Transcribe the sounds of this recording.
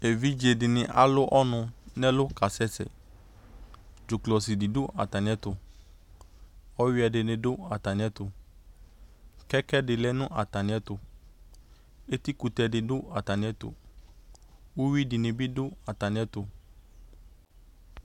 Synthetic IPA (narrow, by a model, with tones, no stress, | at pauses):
e˨vi˦d͡ʒe˨dɪ˨nɪ̃˨ʔa̰˦lʊ˦ʔɔ˦nʊ̃˧nɛ˦lʊ˦ka˨sɛ˦sɛ̰˨ | d͡ʒu˨klɔ˨si˨di˨dʊ˦ʔa̰˨ta˨nɪ̃˨ɛ˦t̪ʊ˧ | ɔ˦wi˦ɛ˧˨dɪ˨nɪ̃˧dʊ˦a˨ta˨nɪ̃˨˦ɛ˦tʊ˧ | kɛ˦kɛ˦dɪ˨lɛ˦nʊ̃˦ʔa˨ta˨ñ˨˦ɛ˦t̪ʊ˧ | e˦t̪i˦ku˧t̪ɛ˧dɪ˨dʊ˦a˨ta˨nĩ˨ɛ˦tʊ̰˨ | u˦wi˦di˨nɪ̃˨bi˦dʊ˦a˨ta˨nɪ̃˨˦ɛ˦tʊ˧